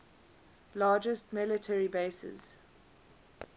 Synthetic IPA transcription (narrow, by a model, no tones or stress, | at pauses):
lɑːd͡ʒəstmɪlətʰəɹibeɪsɪ̰z̥